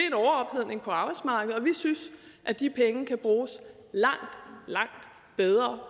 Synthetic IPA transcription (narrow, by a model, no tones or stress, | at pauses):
eenɒʊɐɒ̽b̥heð̰ˠne̝ŋpʰɒ̽ɑ̈ːb̥ɑ̈ɪ̥smɑ̈ːɡ̥əð̩ˠɒ̽ʋisynsʔæd̥ipʰeŋəkʰæb̥ʁuːs | lɑ̈ŋ̰d̥lɑ̈ŋ̰d̥ | b̥eð̞ˠʁɐː